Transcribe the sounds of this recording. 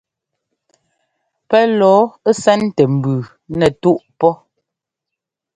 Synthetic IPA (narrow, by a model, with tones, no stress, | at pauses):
pɛ˦lɔː˨˦sɛ˦n˦tɛ˨m̩˨bʉ˨ | nɛ˨tu˦ʔpɔ˦